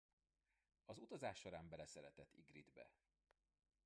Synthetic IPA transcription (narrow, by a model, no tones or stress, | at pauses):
ɒzut̪ɒzaːʃːo̞ɾaːmbɛlɛsɛɾɛt̪ɛt̪ːiɡrid̪bɛ̰